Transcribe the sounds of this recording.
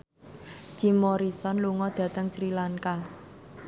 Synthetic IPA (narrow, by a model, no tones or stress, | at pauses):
d͡ʒ̥imɔɾisɔnluŋɔd̪̥ä̤t̪əŋsɾilaŋka